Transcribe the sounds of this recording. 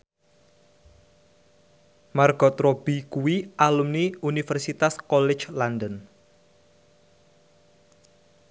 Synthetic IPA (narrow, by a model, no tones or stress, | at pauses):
marɡ̥ɔt̪ɾob̥ikuwiʔalumniunifɛrsit̪askɔlɪ̥t͡ʃlandən